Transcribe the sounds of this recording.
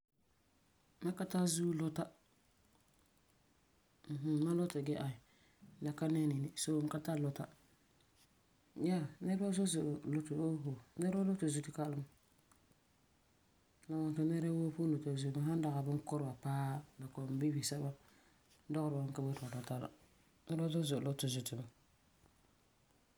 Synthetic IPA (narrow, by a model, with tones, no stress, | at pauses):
ma˦ka˦ta˦zu˦lo˦ta˦ | m̩˨ɦ̩˦ma˦lo˦ta˨ɡɛ˦ʔa˨i˨˦ | na˨ka˦nɛ˦ni˨nɪ˨so˨˦ka˦ta˦lo˦ta˦ | ja˦˨nɛ˦ɾba˦so˦zo˨lo˦to˨o˦ho˨nɛ˦ɾba˦lo˦to˨zu˨ti˨ka˦lɨ˦m˨ | na˨wɔ˨nto˨nɛ˦ɾa˦wo˦pu˦lo˨ta˨zu˨ma˨˦ɦa˦n˦da˨ɣa˨bɪ˦ŋkɔ˦ɾwa˨paː˦la˨kɔ˨m˨bi˦bi˨sɛ˦ba˦ | dɔ˦ɣʊ˦ɾa˨bɨ˦ŋka˦bo˦tʊ˨a˨ta˨ta˦la̰˨ | nɛ˦ɾba˦zo˦zo˨lo˦tʊ˨zu˨tɪ˨ma˨